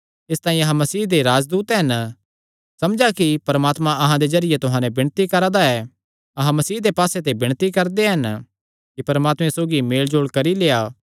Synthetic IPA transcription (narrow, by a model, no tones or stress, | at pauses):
ɪst̪ãːĩɐɦãmɐsiːɦd̪eɾaːd͡ʒd̪uːt̪ɦɐn | sɐmd͡ʒakipɐɾəmaːt̪mãɐɦãd̪ezɐɾɪjet̪ʊɦãːnɛ̃bɪɽ̃t̪ikɐɾad̪aɛ | ɐɦãmɐsiːɦd̪epaːset̪ebɪɽ̃t̪ikɐɾd̪eɦɐn | kipɐɾmaːt̪mẽsoːɡimeːld͡ʒoːɽkɐɾileːaː